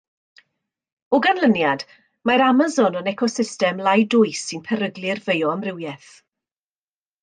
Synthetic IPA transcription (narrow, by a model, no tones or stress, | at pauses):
ɔɡanlˠənjad | maɾamazɔnənɛkʰɔsɪstɛmlajdʊɨsːɪnpʰɛɾəɡlɪrvejɔəmrɪwjɛθ